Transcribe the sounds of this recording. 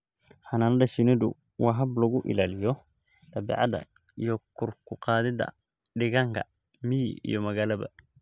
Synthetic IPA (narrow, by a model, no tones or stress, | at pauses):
hananadaʃinɛdṵ | wʔaɦablɔɡuʔḭlalijɔ | t̪ɐbḭʕa̰d̪a̰ | jɔkːuɾkuqad̪ɪd̪a̰ | ɗɪɡaŋka̰ | mij̰jɔmɐɡalɐba̰